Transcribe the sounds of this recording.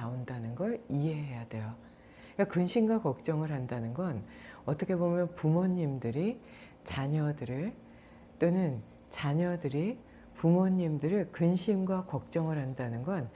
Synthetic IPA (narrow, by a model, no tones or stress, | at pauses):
aondanɯnɡʌɾiɦe̞ɦe̞jad̥e̞jo | ik͈akɯnɕʰimɡwakʌk̚t͡ɕ͈ʌŋɯɭɦandanɯnɡʌnʌt͈ʰʌkʰebomjʌnpumoɲːimdɯɾi | t͡ɕaɲʌdɯɾɯɭ | t͈onɯn | t͡ɕaɲʌdɯɾi | pumoɲːimdɯɾɯɭkɯnɕʰimɡwakʌk̚t͡ɕ͈ʌŋɯɭɦandanɯnɡʌn